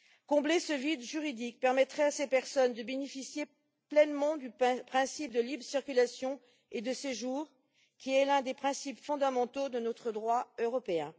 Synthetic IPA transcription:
kɔ̃blesəvid̪ʒyʁid̪ik̚pɛʁmɛt̪χɛasepɛʁsɔnd̪əbenefisje | plɛnmɑ̃d̪ypχɛ̃sip̚d̪əlibʁəsiʁkʲylasjɔ̃ | ed̪əseʒuʁ | kʲiɛlɛ̃d̪epχɛ̃sipfɔ̃d̪amɑ̃t̪od̪ənɔt̪χəd̪ʁwaøʁɔpeɛ̃

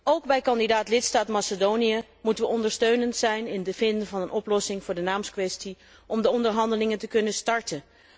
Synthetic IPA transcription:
owɡbɛjkɑndidaːtlɪtstaːtmasədowniə | mutənʋəɔndəɹstøɥnəntsɛjnɪndəv̥ɪndəvɑnənʔɔplɔsɪŋvʊːɹdənaːmskʋɛsti | ʔɔmdəɔndəɹɦɑndəlɪŋəntəkɵnəstɑɹtən

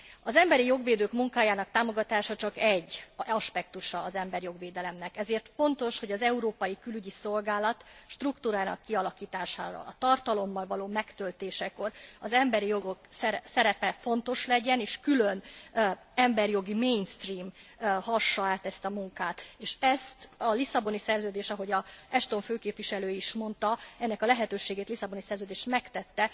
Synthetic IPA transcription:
ɒzɛmbɛɾijo̞ɡʋeːd̪øːkmuŋkaːjaːnɒkt̪aːmo̞ɡɒt̪aːʃɒt͡ʃɒkɛɟːɒʃpɛkt̪uʃɒːzɛmbɛɾjo̞ɡʋeːd̪ɛlɛmnɛkɛzeːrt̪fo̞nt̪o̞ʃho̞ɟɒzɛuɾoːpɒjikylyɟiso̞lɡaːlɒt̪ʃt̪rukt̪uːɾaːnɒ̰kːiɒlɒkiːt̪aːʃa̰ːvɒ̰lɒ̰t̪ɒrt̪ɒlo̞mːɒlvɒloːmɛkt̪ø̞lt̪eːʃɛko̞rɒzɛmbɛɾijo̞ɡo̞ksɛsɛɾɛpɛfo̞nt̪o̞ʃlɛɟɛneːʃkylø̞n | ɛmbɛɾijo̞ɡimejnst̪riːmhɒʃːɒaːt̪ɛst̪ɒmuŋkaːt̪eːʃɛst̪ɒlisɒbo̞nisɛrzøːd̪eːʃɒɦo̞ɟɒɛʃt̪o̞ɱføːkeːpvʋiʃɛløːjiʃmo̞nt̪ɒɛnːɛkɒlɛɦɛt̪øːʃeːɡeːt̪lisːɒbo̞nisɛrzøːd̪eːʃt̪mɛkt̪ɛt̪ːɛ

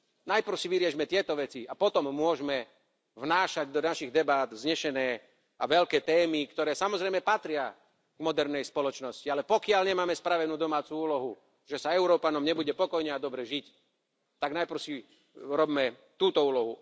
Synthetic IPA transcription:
najpr̩ʊsiʋiɾɪɛʒmɛt̪ɪɛt̪ɔʋɛt͡siapɔt̪ɔmːʊɔʒmɛ | vnaːʃaɟd̪ɔnaʃiɣd̪ɛbad̪zɲɛʃɛnɛː | aʋɛʎkɛːt̪ɛːmikt̪ɔɾɛːsamɔzɾɛjmɛpat̪ɾɪa | ɡ̥mɔd̪ɛɾnɛjspɔlɔt͡ʃnɔscialɛpɔkɪalɲɛmaːmɛspɾaʋɛnuːd̪ɔmaːt͡suuːlɔɦu | ʒɛsaɛʊɾɔːpanɔmɲɛbuɟɛpɔkɔjɲɛad̪ɔbɾɛʒic | t̪aɡnajpr̩si | ɾɔbmɛ | t̪uːt̪ɔuːlɔɦu

